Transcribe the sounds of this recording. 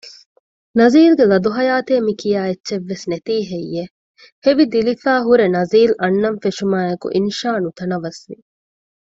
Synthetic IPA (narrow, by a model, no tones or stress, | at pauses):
nɐziːlɡelɐd̪uɦɐjaːt̪eːmikijaːetːʃeʋːesnet̪iːɦejːe | heʋid̪ilifaːɦuɾenɐziːlɐnːɐnfeʃumaːekṵʔinʃaːnut̪ɐnɐʋɐsʋi